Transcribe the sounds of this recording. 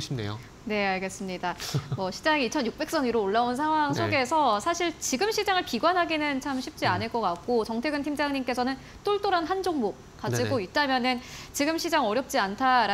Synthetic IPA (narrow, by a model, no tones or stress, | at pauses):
ɕʰmnḛjo̰ | ne̞aɭɡe̞s͈ɯmɲidamwʌɕʰid͡ʑaŋiit͡ɕʰʌnjuk̚p͈e̞k̚s͈ʌniɾoːɭːaonsʰaŋɦwaŋsʰoɡe̞sʰʌsʰaɕʰiɭt͡ɕiɡɯmɕʰid͡ʑaŋɯɭpiɡwanɦaɡinɯnt͡ɕʰamɕʰip̚t͡ɕ͈ianɯɭk͈ʌk͈ak̚k͈ot͡ɕʌŋtʰe̞ɡɯntʰimd͡ʑaŋɲimk͈e̞sʰʌnɯn | t͈oɭt͈oɾanɦand͡ʑoŋbo | kad͡ʑiɡoit͈amjʌnɯnt͡ɕiɡɯmɕʰid͡ʑaŋʌɾjʌp̚t͡ɕ͈iantʰaɾ